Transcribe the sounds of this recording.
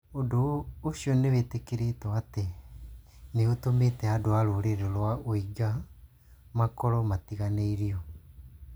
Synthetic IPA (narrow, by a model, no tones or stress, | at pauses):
odooɕiɔnewetekeɾetɔate | neotometɛadoaɾoɾeɾelwaoiɡa | makɔɾɔmatiɣaneiɾiɔ